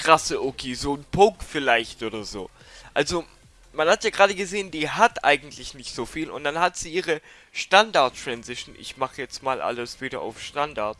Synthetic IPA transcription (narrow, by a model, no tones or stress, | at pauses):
kʁ̥asəʔokʰiːzoːnpʰokfɪlaɪçtʔoːɾɐzo̰ː | ʔalzo | manhatjaːɡʁaːɾəɡəzeːəndiːɦatʔa̰ɪɡŋ̩tʰlɪçnɪçtz̥oːfiːlʔʊ̰nt̚d̥anhatz̥iːiːʁ̞ə | ʃtandaɐtːʁ̥anzɪʃn̩ʔɪ̰çmaχəjɛt͡stmaːlʔa̰ləsv̥iːdɐ̰ʔa̰ʊfʃtandaɐt